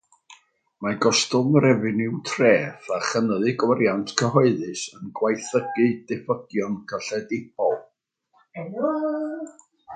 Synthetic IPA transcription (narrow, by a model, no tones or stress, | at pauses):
maɡɔstʊmrɛvɪnɪwtʰreːθaχənəðɨɡwaɾjantʰkʰəɦɔɨðɨsənɡwajθəɡɨdɛfəɡjɔnkʰəɬɛdɪp̚ʰɔlˠ